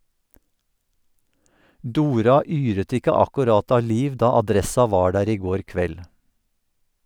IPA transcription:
ˈduːɾɑ ˈyːɾət ˈɪkə ɑkʉˈɾɑt ˈɑː ˈliːʋ ˈdɑː ɑˈdɾɛsɑ ˈʋɑː ˈɖæːɾ ˈiː ˈɡoːɾ ˈkʋɛl

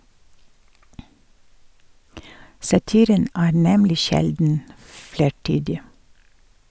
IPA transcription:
sɑˈtiːɾən ˈæː ˈnɛmlɪ ˈʃɛldn̩ ˈfleːˌʈyːdɪ

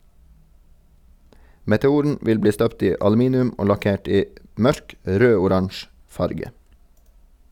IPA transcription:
mɛtɛˈuːɾn̩ ˈʋɪl ˈbliː ˈstœpt ˈiː ɑlʉˈmiːnɪʉm ˈoː lɑˈkeːʈ ˈiː ˈmœɾk ˈɾøːʊˌɾɑnʃ ˈfɑɾɡə

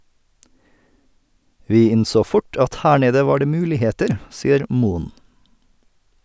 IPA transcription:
ˈʋiː ˈɪnˌsoː ˈfʊʈ ˈɑt ˈhæː ˈɳeːdə ˈʋɑː ˈɖeː ˈmʉːlɪˌheːtəɾ ˈsiːəɾ ˈmuːən

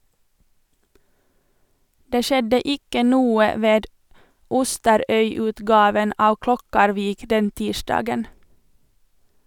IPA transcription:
ˈdeː ˈʃɛdə ˈɪkə ˈnuːə ˈʋeːd ˈʊstəɾœʏˌʉːtɡɑːʋən ˈɑː ˈklɔkɑɾʋiːk ˈdɛn ˈtiːʃdɑːɡən

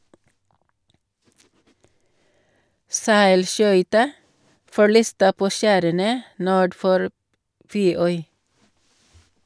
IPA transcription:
ˈsæɪlˌʃœʏtɑ fɔˈɭiːstə ˈpoː ˈʃæːɾənə ˈnuːɖ ˈfɔɾ ˈfeːˌœʏ

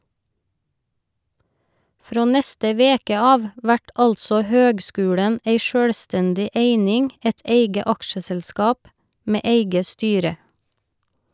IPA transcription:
ˈfɾoː ˈnɛstə ˈʋeːkə ˈɑːʋ ˈʋæʈ ˈɑlsɔ ˈhøːɡˌskʉːɽən ˈæɪ ˈʃøːɽˌstɛndɪ ˈʔeɪnɪŋ ˈɛt ˈʔeɪɡə ˈɑkʃəsɛlˌskɑːp ˈmeː ˈʔeɪɡə ˈstyːɾə

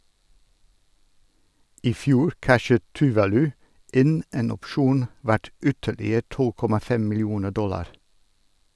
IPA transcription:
ɪˈfjuːɾ ˈkæʃət tʉˈʋɑːlʉ ˈɪn ˈeːn ɔpˈʃuːn ˈʋæʈ ˈʏtəlɪə ˈtɔl ˈkɔmɑ ˈfɛm mɪlˈjuːnə ˈdɔlɑɾ

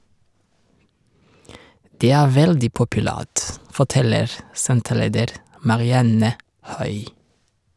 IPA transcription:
ˈdeː ˈæː ˈʋɛldɪ pʊpʉˈlæːt fɔˈtɛləɾ ˈsɛntəˌleːdəɾ mɑɾɪˈɑnə ˈhœʏ

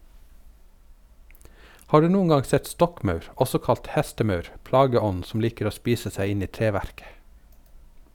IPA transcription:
ˈhɑː ˈɖʉː ˈnuːn ˈɡɑ ˈsɛt ˈstɔkˌmœʉɾ ˈɔsɔ ˈkɑlt ˈhæstəˌmœʉɾ ˈplɑːɡəˌɔn sm̩ ˈliːkɾ̩ ˈoː ˈspiːsə ˈsæɪ ˈɪn ˈiː ˈtɾeːˌʋæɾkə

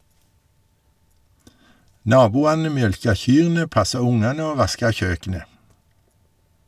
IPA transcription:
ˈnɑːbuːɑnə ˈmjœlkɑ ˈçyːʁnə ˈpɑsɑ ˈʊŋɑnə ˈoː ˈʋɑskɑ ˈçøːkənə

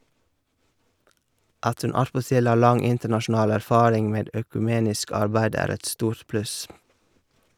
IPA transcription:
ˈɑt ˈʉn ˈɑtpɔˌtɪl ˈɑː ˈlɑŋ ˈɪntəɳɑʃn̩ˌɑːl æɾˈfɑːɾɪŋ ˈmeːd øːkʉˈmeːnɪsk ˈɑɾbæɪd ˈæːɾ ˈɛt ˈstuːɾt ˈplʉs

